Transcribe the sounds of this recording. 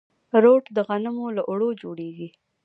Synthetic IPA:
ɾoʈd̪əɣanəmolaʔʊɽod͡ʒoɽeɡi

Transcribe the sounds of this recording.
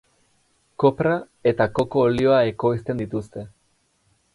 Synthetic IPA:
ko̞pɾa | e̞t̪akoko̞ːlio̞ae̞ko̞ist̪e̞nd̪it̪ust̪e̞

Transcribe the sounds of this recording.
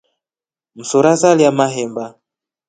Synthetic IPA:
m̩sɔɾazaliamaɦɛmba

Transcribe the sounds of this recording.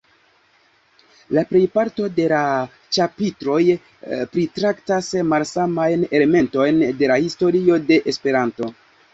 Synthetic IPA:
lapɾe̞jpaɾto̞de̞la | t͡ʃapitɾo̞j | pɾitɾaktasmalsamajne̞lme̞nto̞jnde̞lahisto̞ɾio̞de̞ʔespe̞ɾanto̞

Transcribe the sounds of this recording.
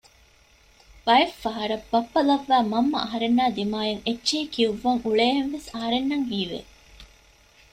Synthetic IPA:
bɐjefːɐɦɐɾɐbɐpːɐlɐʋːæːmɐmːɐ̰ɐɦɐɾenːaːd̪imaːjeŋetːʃeːkiuʋːɐŋuɭeːɦenʋesɐɦɐɾenːɐŋɦiːʋḛː

